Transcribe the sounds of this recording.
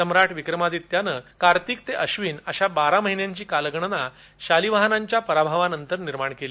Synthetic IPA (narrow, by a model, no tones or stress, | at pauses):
əmɾaʈʋikɾəmad̪it̪janəkaɾt̪iːk̚t̪eʔəɕʋiːnəɕabaɾaməɦinjaɲt͡ɕiːkaləɡɳəna | ɕaliʋaɦənaɲt͡ɕjapəɾabʱaʋanənt̪əɾniɾmaɳkeli